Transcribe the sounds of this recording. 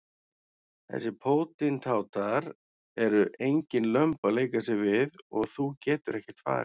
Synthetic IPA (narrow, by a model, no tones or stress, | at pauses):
θɛ̰sɪpʰoːwt̪ɪnt̪ʰaːwt̪ʰaɾ | ɛɾʏʔejɲcɪnlœmpaleːjkasɪvɪðɔɣθucɛːt̪ʏɾɛhcɪ̥t̪fa̰ːɾɪ